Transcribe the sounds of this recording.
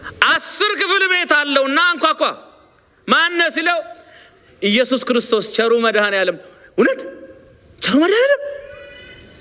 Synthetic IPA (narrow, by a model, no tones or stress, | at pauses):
ʔasːɨɾkɨflbe̞t̪alːəwɨnːaŋkʷakʷa | manːəsiləw | ʔɪjːɛsuskɨɾɨst̪ʰo̞st͡ʃɐɾuməd̪hanjaləmːʊnət̪ | t͡ʃɐɾumɐd̪hanjalːəm